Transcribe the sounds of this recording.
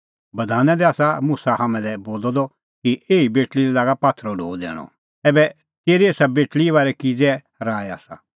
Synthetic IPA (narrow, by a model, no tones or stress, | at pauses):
bɐd̪ʱaːnɛ̃d̪ɛaːsamʊsahɦamɛ̃lɛboːlɔd̪ɔ | kiʔeːibeːʈliɾɛlaːɡapaːt̪ʰɾɔɖʱo̰ːd̪ɛ̰ːɽ̃ɔ̰ | ɛːbɛ | k̪eːɾieːsabeːʈɭiβaːɾɛkid͡zɛ | ɾaːɛa̰ːsa̰